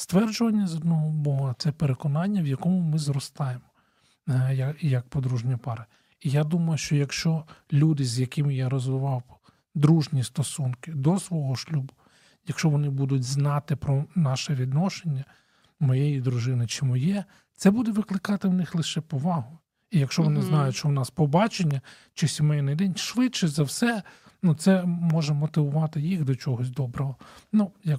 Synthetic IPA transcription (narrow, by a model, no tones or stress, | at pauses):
st̪ʋɛrd͡ʒʊʋɐnʲːɐzɔd̪̚nɔɦɔbɔɦɐt̪sɛpeɾekɔnɑnʲːɐʋjɐkɔmʊmɪzɾɔst̪ɑjemɔ | jɐjɐk̚pɔd̪ɾuʒnʲɐpɑɾɐ | ijad̪umɐjʊʃt͡ʃɔjɐkʃt͡ʃɔlʲud̪ɪzʲjɐkɪmjaɾɔzʋɪʋɑw | d̪ɾuʒnʲist̪ɔsunkɪd̪ɔsʋɔɦɔʃlʲubʊ | jɐkʃt͡ʃɔʋɔnɪbud̪ʊtʲznɑt̪ɪpɾɔnɑʃɛʋʲid̪nɔʃenʲːɐ | mɔjejid̪ɾʊʒɪnɪt͡ʃɪmɔjɛ | t̪sɛbud̪ɛʋɪklˠɪkɑt̪ɪwnɪxlˠɪʃɛpɔʋɑɦʊ | ijɐkʃt͡ʃɔʋɔnɪznɑjʊʃt͡ʃɔwnɑspɔbɑt͡ʃenʲːɐ | t͡ʃɪsʲimɛjnɪjd̪ɛnʲʃʋɪtt͡ʃɛzɐwsɛ | nut̪sɛmɔʒɛmɔt̪ɪʋʊʋɑt̪ɪjixd̪ɔt͡ʃɔɦɔsʲd̪ɔbɾɔɦɔnujɐk